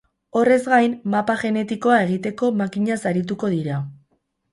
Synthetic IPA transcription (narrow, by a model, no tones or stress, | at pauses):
o̞re̞zɡajnmapaʝe̞ne̞t̪iko̞ae̞ɣit̪e̞ko̞makiɲasaɾit̪̬uko̞ð̞iɾa